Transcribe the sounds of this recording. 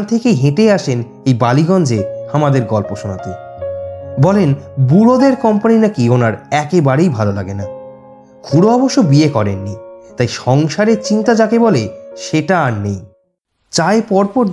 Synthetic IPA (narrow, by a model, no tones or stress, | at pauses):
t̪ʰekeɦẽʈeaʃen | ejbaliɡɔnd͡ʑeamad̪eɾɡɔlpoʃonat̪e | bɔlenbuɾod̪eɾkɔmpaninakionaɾɛkebaɾejbʱalolaɡena | kʰuɽoɔboʃːobiekɔɾenːit̪ajʃɔŋʃaɾeɾt͡ɕint̪ad͡ʑakeboleʃeʈanej | t͡ɕaepɔɾpoɾ